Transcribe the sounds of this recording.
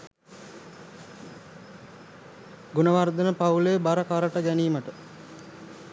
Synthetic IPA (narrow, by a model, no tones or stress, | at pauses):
ɡunəʋard̪ənəpaulejbaɾəkaɾəʈəɡæniːməʈə